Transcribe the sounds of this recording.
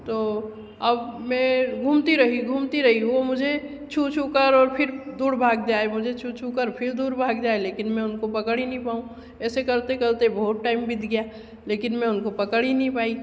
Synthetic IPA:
t̪oː | ɐbmɛ̃ɡʱuːmt̪iɾɐɦiɡʱuːmt̪iɾɐɦiʋomʊd͡ʒʱe | t͡ʃʰut͡ʃʰukəɾɔːɾpʰɪɾd̪uːɽbʱaːɡ̚d͡ʒaːemʊd͡ʒʱet͡ʃʰut͡ʃʰukəɾpʰɪɾd̪uːɾbʱaːɡd͡ʒaːeleːkɪnmɛ̃ʊnkopɐkəɽinəɦĩpaːũ | ɛːsekɐɾt̪ekəɾt̪ebəɦʊt̪ʈaːɪmbʱɪd̪ɡɐja | leːkɪnmɛ̃ʊnkopɐkəɽinɐɦĩpaːi

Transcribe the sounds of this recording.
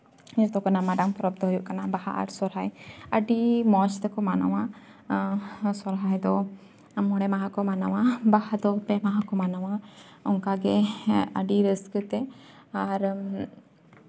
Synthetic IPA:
t̪ɔkanamaɖampɔɾɔpb̚t̪ʰɔɦujuʔkanabaha̰ʔa̰ɾsɔɾɦajəɖimɔt͡ʃt̪ɛkɔmana̰wa | sɔɾɦajd̪ɔ | amɔɽɛmaɦãkɔmanawabahad̪ɔpɛmaɦakɔmanawa | ɔŋkaɡɛə̰ɖiɾəskət̪ɛ | aɾ

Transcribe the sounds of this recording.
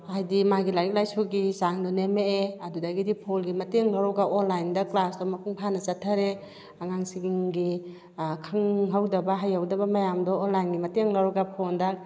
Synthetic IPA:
ajdimaɡilajk̚lajsuɡisaŋdɔnemeeɐdudaɡidipʰolɡimɐteŋlaɾɔɡaʔɔnlajndɐklasdɔmɐpʰuŋpʰanɐsatʰːaɾe | aŋaŋsiɡiŋɡi | kʰɯŋɦawdɐbaɦajhawdɐbamajamdɔːnlajnɡimɐteŋlaɾɔɡapʰonda

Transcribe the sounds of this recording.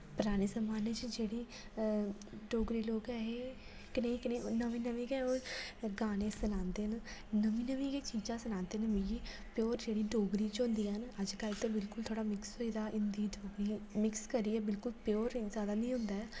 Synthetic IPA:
pʊɾaːɽ̃eːsəmaːneːt͡ʃd͡ʒeːɽiː | ɖoːɡɾiːloːkɛːɦeː | kɪneːikɪnenəʋĩːnəʋĩːɡeːoːɡaːnẽːsənãːnd̪eːnnəmĩːnəʋĩːkeːt͡ʃiːd͡ʒãːsənãːnd̪eːnəmĩːɡi | pjoːɾd͡ʒeːɽiːɖoːɡɾiːt͡ʃɦʊ̃nd̪iːɦənəd͡ʒkəlt̪eːbɪlkʊlt̪ʰoːɽaːmɪksɦoːiːd̪aːʔɪnd̪iːɖoːɡɾiːmɪkskəɾiːɛːbɪlkʊlpjoːɾzjaːd̪aːnĩːɦʊ̃nd̪aːɛː

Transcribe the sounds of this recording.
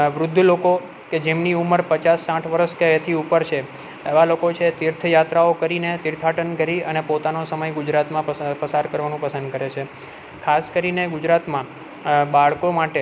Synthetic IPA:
ʋɾʊd̪ʱːloko | ked͡ʒemniuməɾpət͡ʃasːãʈʰʋəɾəʃket̪ʰiupəɾt͡ʃʰe | eʋalokot͡ʃʰeːt̪iɾt̪ʰəjat̪ɾaokəɾinet̪iɾt̪ʰaʈənɡʱəɾiənepot̪anosəməjɡʊd͡ʒɾat̪mãəpəsaɾkəɾʋanũpəsənd̪̚kəɾet͡ʃʰe | kʰaskəɾineɡud͡ʒɾat̪mã | baɭkomaʈe

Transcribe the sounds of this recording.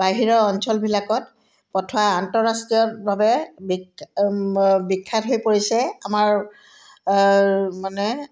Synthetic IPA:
baɦiɹɔɔnsɔlbʱilakɔt̚ | pɔtʰɔaantɔɹastɹijɔbabɛbi | bikʰːatɦojpoɹisɛamaɹ | manɛ

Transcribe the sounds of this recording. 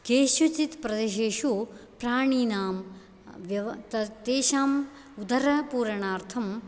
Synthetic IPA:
keːʃjut͡ʃit̪pɾɐd̪eʃeːʃupɾaːɳiːnaːm | ʋjɐʋɐt̪ɐt̪eːʃaːm | ud̪ɐɾɐpuːɾɐɳaːɾt̪ʰɐm

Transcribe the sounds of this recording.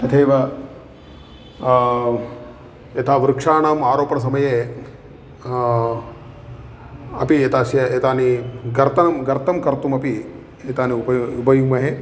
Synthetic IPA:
ɐt̪ʰeːʋɐ | ɐt̪ʰaːʋɾukʂaːɳaːmaːɾoːpɐɳɐs̬ɐmɐjeː | ɐ̰piet̪ʰaːsjɐet̪aːniɡɐɾt̪ɐnɐmɡɐɾt̪ʰɐmkɐɾt̪umɐpi | et̪aːniupɐubɐjuːmɐɦeː

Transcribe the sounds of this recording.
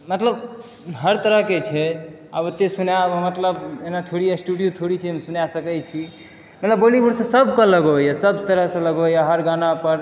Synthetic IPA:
mət̪ləb | ɦəɾt̪əɾəɦket͡ʃʰɛ | abot̪ːesunabmət̪ləbenat̪ʰoɽijasʈuɽijot̪ʰoɽisemsunasəkɛt͡ʃʰi | mət̪ləbːolibuɽsẽsəbʱkələɡəjasəb̚t̪əɾəɦsẽləɡəjaɦəɾɡanapəɾ

